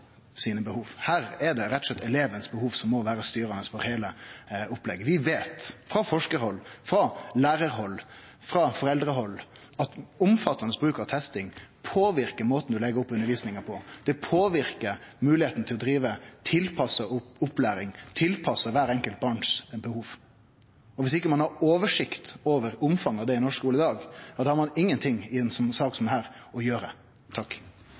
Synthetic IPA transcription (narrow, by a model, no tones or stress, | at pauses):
siːnəbəhuːʋhæːɾɛd̪ɛɾɛt̪ːɔ̥slɛt̪ʰːɛleːʋənəsbəhuːʋsɔmːɔʋæːɾəst̪yːɾɑnəsfɔɾheːləʊplɛɡːəʋɪʋeːt̪fɾɑfɔʂkəhɔlːfɾɑlæːɾəɾɦɔlː | fɾɑfɔɾɛld̪ɾəɦɔlː | ɑt̪ʊmfɑt̪ːɑnəsbɾʉːkɑʋt̪ʰɛst̪ɪŋpʰoːʋɪɾkəmoːt̪n̩d̪ʉlɛɡəɾɔpːʉnəɾʋiːsnɪŋəpʰɔd̪̥ɛpʰoːʋɪɾkəɾmʉːlɪheːt̪n̩t̪ʰɪlɔd̪ɾiːʋət̪ʰɪlpʰɑsəʊʊplæːɾɪŋt̪ʰɪlpʰɑsəʋæːɾɛŋkəlt̪̚bɑːɳʂbəhuːʋ | ɔʋɪsɪkːəmɑnhɑɾoːʋəʂɪkt̪oːʋəɾʊmfɑŋːɑʋd̪ɛɪnɔʂkuːləɪd̪ɑːɡjɑd̪ɑhɑɾmɑnɪŋːənt̪ʰɪŋɪɛnsɔmsɑːksɔmɛæːɾɔjøːɾə | t̪ʰɑkː